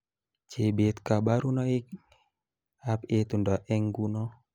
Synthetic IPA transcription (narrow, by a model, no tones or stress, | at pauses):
t͡ʃebet̪kabaɾunɔik̚ | apet̪undɔʔɛŋɡunɔ